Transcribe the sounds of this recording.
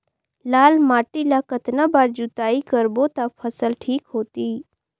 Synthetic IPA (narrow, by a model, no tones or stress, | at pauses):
laːlmaːʈilakət̪nabaːɾd͡ʒut̪aikəɾbot̪apʰəsəlʈʰiːkɦoːt̪iː